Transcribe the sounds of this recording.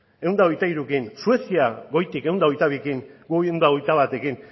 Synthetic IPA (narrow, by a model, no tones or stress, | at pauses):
e̞wnd̪ao̞jt̪aiɾukinsue̞siaɣo̞jt̪ike̞wnd̪ao̞jt̪aβikiŋɡuewnd̪ao̞jt̪aβat̪e̞kin